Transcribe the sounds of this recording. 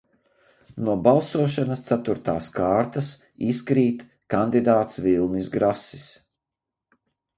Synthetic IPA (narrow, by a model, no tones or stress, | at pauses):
nuɔbalˠsuɔʃanɐst̪sat̪uɾt̪aːskaːɾt̪as | iskɾiːt̪ | kand̪id̪aːt̪svilˠnisɡɾasi̥s